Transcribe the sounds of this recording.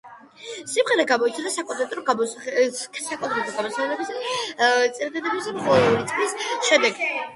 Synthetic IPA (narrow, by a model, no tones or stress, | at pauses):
simʁɛɾɛɡamɔit̪sʰad̪asakʼɔd̪ʼɛt̪ʼɾɔɡamɔ | sakʼɔnd̪ɾɛb̪uɾɡamɔsʰɛnɛlɛbisd̪at̪sʼɛɾd̪ad̪ɛbisd̪amχɔɛɾit̪sʼɡlisʃɛd̪ɛɡ